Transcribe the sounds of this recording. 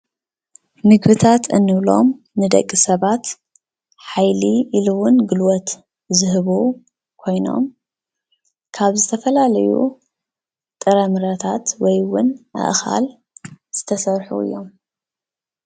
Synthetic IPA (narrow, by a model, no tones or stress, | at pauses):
mɨɡbɨt̪ʰat̪ʰɨnːɨβlo̞̰m | nɨd̪ɐ̰kʼːisɐβat̪ | ħajliʔːluwʊnɡɨlwɔt̪ | zɨɦɨβu | kʰo̞jno̞̰m | kʰaβzɨt̪ʰɐfɐlalɐjṵ | t̪ʼɨɾɐmɨɾɐt̪ʰat̪wɔjwʊnʔa̰ʔxa̰l | z̥ɨt̪ʰɐsɐɾħṵɨ̰jːo̞m